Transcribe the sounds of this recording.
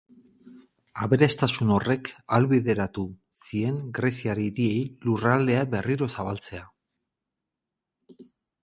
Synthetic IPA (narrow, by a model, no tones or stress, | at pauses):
aβeɾest̪asuno̞re̞kalβiðe̞ɾat̪u | sie̞ŋɡɾe̞siaɾiɾie̞jlurald̪e̞aβe̞riɾo̞saβ̞alt͡se̞a